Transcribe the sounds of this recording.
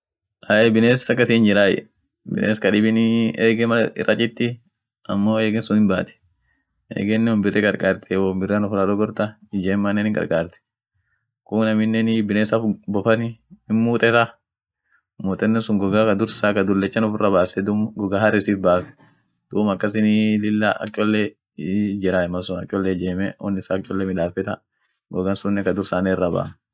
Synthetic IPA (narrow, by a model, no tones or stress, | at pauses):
ʔaʔɛbɪneːsɐkːɐsiːnd͡ʒɪɾaːjɛ̰ | bɪ̰nʔeːskɐᶑɪbɪneːɡɛmɐɪ̰rʔɐt͡ʃʼɪt̪ːɪ | ɐ̰mːoːeːɡɛnsʊnɪnbaːt̪ɛ̥ | ḛːɡɛnːɛɔmbɪrːɛkʼɐɾkʼaːɾt̪ɛwombɪrːanɔfʊɾaᶑɔɡɔɾt̪ɐɪd͡ʒeːmːɐnːɛnɪŋkʼɐ̰ɾkʼaːɾt̪ɛ̥ | kʊnɐmɪnːɛnɪbɪneːsɐfbɔfɐnɪmmuːt̪ʼɛsɐ | muːt̪ʼɛnːɛsʊŋɡɔɡakɐd̪ʊɾsakɐd̪ʊlːɛt͡ʃːɐnʊfʊrɐbaːsɛd̪ʊmɡɔɡahɐrːɪsiːfbaːfɛ̥ | d̪̥uːmɐkːɐs̬ɪnilɪlːa̰ːkʼːɔlːɛ | d͡ʒɛɾaɛmɐsʊnɐkʼɔlːɛd͡ʒeːmɛɔnːɪsaːkʼːɔlːɛmɪᶑaːfɛt̪ɐ | ɡɔɡɐnsʊnːɛkɐd̪ʊɾsaːnɛrːɐba̰ː